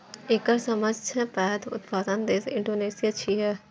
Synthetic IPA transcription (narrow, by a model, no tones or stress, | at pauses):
ekəɾsɐməd͡ʒʱt͡ʃʰɛpɛːɦt̪ʊ̰t̪̚baːt̪ənd̪eːsɪ̃ɳɖoːneːsijat͡ʃʰiɦɛ